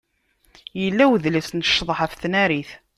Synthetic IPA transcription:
jəlːæwðlæsnəʃːðˤħəfθnæɾiθ

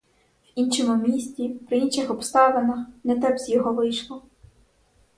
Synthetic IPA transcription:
wint͡ʃɔmʊmʲisʲt͡sʲipɾɪinʃɪxɔpst̪ɑʋenɐxnɛt̪ɛbzʲjɔɦɔʋɪjʃlˠɔ

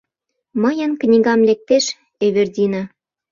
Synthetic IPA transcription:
məjə̆nknʲiɣɑmlek̚t̪eʃ | eβerdʲinɑ

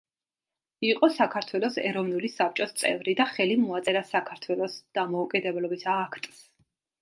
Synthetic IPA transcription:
iqʼɔsakʰaɾt̪ʰwɛlˠɔsɛ̰ɾɔvnulisap̚t͡ʃʼɔst̪sʼɛ̰vɾid̪aχɛlimɔat̪sʼɛɾasakʰaɾt̪ʰwɛlˠɔsd̪̥amɔukʼid̪ɛblɔbisːkʰt̪ʼs

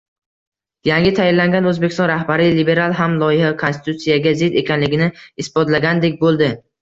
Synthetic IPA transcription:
jaŋɡʲɪt̪ʰajɪlːaŋɡʲanɵzbekʲɪ̥st̪ɒ̃nɾahbaɾɪlibe̞ɾalˠɦamlˠɒjɪhakʰonsɪ̥t̪ʰut̪sijaɡʲazɪd̪e̞kʲʰanlɪɡʲɪnɪɪsbɒt̪laɡʲand̪e̞kʲbolˠd̪ɪ

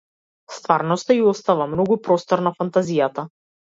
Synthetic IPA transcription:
st̪vaɾnɔst̪aiɔst̪avamnɔɡupɾɔst̪ɔɾnafant̪azijat̪a

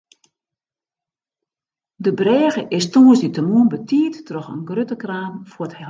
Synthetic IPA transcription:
dəbrɛːɣəʔɪstuəsditəmuənbətʰiːtːrɔxə̰nɡrøtəkraːmfəthɛ

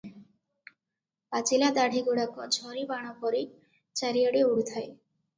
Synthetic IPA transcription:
pat͡ɕilad̪aɽʱiɡoɽakɔd͡ʑʱɔɾibaɽ̃ɔpɔɾi | t͡ɕaɾijaɽeuɽut̪ʰaj

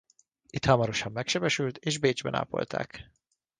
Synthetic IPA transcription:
it̪hɒmɒɾo̞ʃɒmːɛkʃɛbɛʃylt̪eːʒbeːd͡ʒbɛ̰na̰ːpo̞̰lt̪ʰa̰ːk

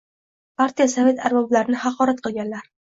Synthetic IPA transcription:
pʰaɾt̪ijasave̞t̪ʰaɾbɒblaɾɪnɪhɑqʰɒɾat̪̚qɨlˠɡʲanlaɾ

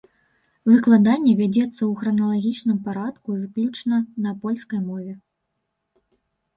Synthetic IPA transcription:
vɨklˠad̪anʲːɛvʲad͡zʲɛt̪sːɐwxɾɐnɐlˠaɣʲit͡ʂnɨmpaɾat̪kuivɨklʲut͡ʂnɐnɐpɔlʲskɐjmɔvʲɛ

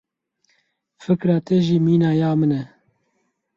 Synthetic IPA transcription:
fɨkɾɑːt̪ʰɛʒiːmiːnɑːjaːmɨnɛ

